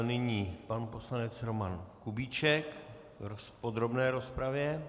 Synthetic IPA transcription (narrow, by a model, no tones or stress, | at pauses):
nɪɲiːpanupo̞slanɛt͡sɾo̞mankubiːt͡ʃɛk | vɾospod̪ɾo̞bnɛːɾo̞spɾavjɛ